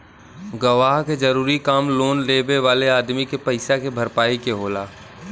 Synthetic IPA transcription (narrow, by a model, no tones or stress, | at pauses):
ɡɐʋaːɦked͡ʒɐɾuːɾikaːmloːnleːʋeʋaːleaːd̪mikepɐɪsakebʱɐɾpaːikeɦoːlaː